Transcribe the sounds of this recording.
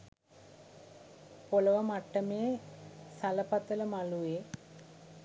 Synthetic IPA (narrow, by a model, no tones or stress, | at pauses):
polɐʋɐmɐʈːɐmeːsɐlɐpɐt̪ːɐlɐmɐluʋeː